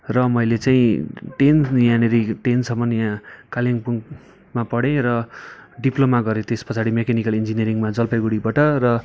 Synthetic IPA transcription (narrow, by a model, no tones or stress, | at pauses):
rʌmʌjlet͡saĩʈenjãneɾiʈensʌmʌnjãkaljaŋpuŋ | mapʌɽẽɾʌɖiplomaɡʌɾẽt̪espʌt͡sʰaɽimekanikʌlind͡zinijʌɾiŋmad͡zʌlpaɡuɽibaʈʌrʌ